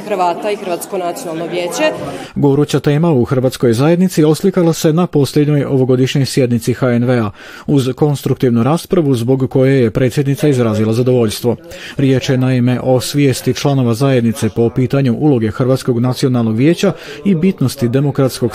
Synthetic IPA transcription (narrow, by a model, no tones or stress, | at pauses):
xɾʋaːt̪aixɾ̩ʋaːt̪skonat̪sijonalˠnoʋjeːt͡ɕeɡoɾut͡ɕat̪e̞ːmauxr̩ʋat̪sko̞jzaːje̞d̪nit̪sio̞slikalˠase̞napo̞slʎʲe̞d̪ɲo̞jo̞ʋo̞ɡo̞d̪iʃɲo̞jsje̞d̪nit̪sixaenʋea | uzko̞nst̪ɾukt̪iʋnuɾaːspɾaʋuzbo̞ɡːo̞jeje̞pɾet̪sje̞d̪nit̪saizɾaːzilˠazad̪o̞ʋo̞ʎst̪ʋo̞ɾje̞ːt͡ʃjenaime̞ʔo̞sʋje̞ːst̪it͡ʃlˠano̞ʋazaje̞d̪nit̪se̞po̞piːt̪aɲuʔulˠo̞ɡe̞xr̩ʋat̪sko̞ɡnat̪sio̞nalˠno̞ɡʋjeːt͡ɕa | ibit̪no̞st̪id̪e̞mo̞kɾat̪sko̞ɡ